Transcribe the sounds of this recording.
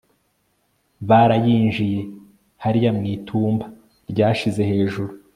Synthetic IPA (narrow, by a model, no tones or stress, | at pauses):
βaɾajiːnʒije̞ | haɾijamŋiːtʰuːmba | ɾɟaːʃize̞he̞ːʒuɾu